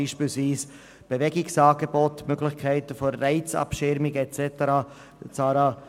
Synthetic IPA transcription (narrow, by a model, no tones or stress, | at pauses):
iːʃpiːlsviːs | b̥evɛɡɪksɑːɡebɔtmøɡlɪçkʰɛɪtəfoːɛɪt͡sɑ̰pʃɪɾmɪɡəɛt͡sɛtəɾɑː | t͡sɑːɾɑː